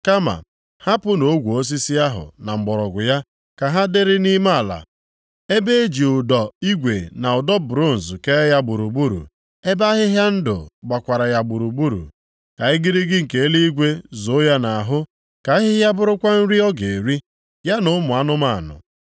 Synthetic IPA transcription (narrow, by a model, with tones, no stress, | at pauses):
ka˦ma̰˨ | ha˦pʊ˦no˦ɡʷu˨o˦s̬i˦si˦a˦ɦʊ̰˨na˨ŋ͡m̩˨ɡ͡bɔ˨ɾɔ˨ɡʷʊ˨ja˦ | ka˨ɦa˦dɪ˦ɾɪ˦ni˦ma˦˨la̰˨ | e˦be˦e˦d͡ʒi˨ʊ˨dɔ˨i˦ɡʷe˨na˨ʊ˨dɔ˦bɾo˦˨n̩˨zke˦ja˦bu˨ɾu˨bu˦ɾṵ˨ | e˦ba˦ɦɪ˦ɦja˦n̩˦dʊ̰˨ɡ͡ba˨kʷa˨ɾa˨ja˨ɡ͡bu˨ɾu˨bu˦ɾṵ˨ | ka˨ɪ˦ɡi˦ɾi˦ɡɪ˦ŋ̩˨ke˨e˦li˦i˦ɡʷe˦zo˨˦ja˦na˨ɦʊ˦ | ka˨˦ɦɪ˦ɦja˦bʊ˦ɾʊ˦kʷa˦n̩˦ɾi˦ɔ˦ɡe˨ɾi˦ | ja˦nʊ˨ʊ˦mʊ˨a˦nʊ˦ma˦˨nʊ̰˨